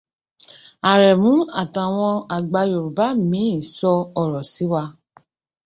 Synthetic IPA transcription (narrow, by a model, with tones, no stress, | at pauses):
a˨ɾɛ˨mũ˨˦a˦˨ta˨w̃ɔ̃˧a˨ɡ͡ba˧jo˨ɾu˨ba˨˦˨mĩ˨˦ĩ˦˨sɔ˧ɔ˨ɾɔ˨si˨˦wa˧